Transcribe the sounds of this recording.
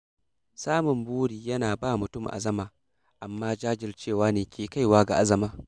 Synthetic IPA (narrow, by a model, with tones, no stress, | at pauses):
saː˦mʊ˨mbuː˦ɽiː˨jɐ˦naː˨baː˦˨mʊ˨tʊ˦˨mʔa̰˨zɐ˦maː˨ | ʔa˨mːaː˦d͡ʒaː˦d͡ʒɪ˨rt͡ʃeː˦˨waː˦neː˨kʲeː˨ka˦jwaː˦ɡa̰˨ʔa˦zɐ˨maː˦